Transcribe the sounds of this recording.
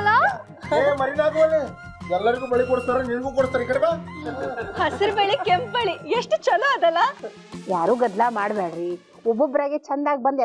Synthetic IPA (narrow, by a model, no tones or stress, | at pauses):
lːa | eːmɐɾinaːɡuʋɐlːi | ɛlːɐɾiɡuːbɐɭikoɽst̪aːɾeniːnɡuːkoɽst̪aːnikɐɽɐbaː | hɐsiɾbeɭikempbeɭieʂʈt͡ʃɐluɐd̪ɐlːa | jaːɾuːɡɐd̪laːmaːɽbeːɽɾi | ɔbːɔbɾaːɡet͡ʃɐnd̪aːɡ̚bɐnd̪